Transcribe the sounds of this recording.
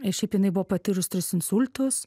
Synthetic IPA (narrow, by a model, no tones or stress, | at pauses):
ɪʃʲɛɪpjɪnɐɪbʊʋopɐt̪ʲɪɾʊst̪ʲɾʲɪsɪnsʊlʲt̪ʊs